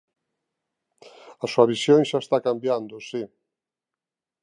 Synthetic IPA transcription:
asuaβisjoŋʃaest̪akambjand̪ʊsi

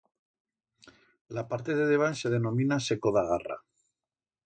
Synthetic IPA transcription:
lapaɾt̪e̞ðeðeβ̞anse̞ð̞e̞nõ̞minasekoðaɣara̰

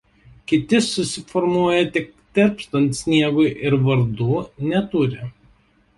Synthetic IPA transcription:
kʲɪt̪ʲɪsʊsʲɪfɔɾmuɔjɛt̪ʲɪkt̪ʲɛɾʲpst̪ɐnt̪sʲnʲiɛɡʊɪʔɪɾʋɐɾd̪uːnʲɛt̪ʊɾʲɪ

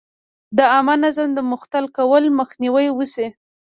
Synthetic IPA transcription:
d̪əamanazamd̪əmʊxt̪alkawəlməxniwəjwusi

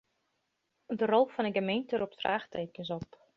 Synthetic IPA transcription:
dərɔlˠfɔnəɡəmejntərup̚tra̰ːχtʰeːkjəsɔp

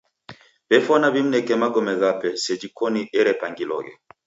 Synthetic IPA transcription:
bɛfɔnaβim̩nɛkɛmaɡɔmɛɣapɛsɛd͡ʒikɔniʔɛɾɛpaŋɡilɔ̰ɣɛ̰

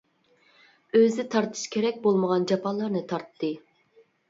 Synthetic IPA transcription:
øzɪt̪ʰɑɾt̪ʰɨ̥ʃkʲʰeɾɛk̚ʲbolˠməʁɑnd͡ʒɑpʰɑlˠɑɾnɨt̪ʰɑɾt̪ʰːɨ

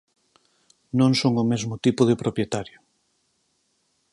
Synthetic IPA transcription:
nõŋsoŋʊmezmʊt̪ipʊðɪpɾopjet̪aɾjo

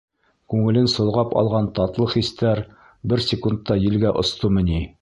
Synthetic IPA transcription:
kʉŋɘ̆lɘnsŏlˠʁɑpɑ̰lˠʁɑnt̪ɑt̪lˠɤχist̪æɾ | bɘɾsʲɪkunt̪ːɑjɘ̆lɡæʔŏst̪omɘ̆ni

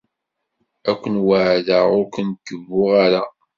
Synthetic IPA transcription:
ækʷːənwəʕðaʁʊɾkənt̪ːəvːʊʁaɾa

